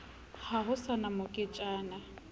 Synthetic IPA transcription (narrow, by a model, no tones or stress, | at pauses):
haɦʊsanamʊkʼɪt͡ʃʼaːna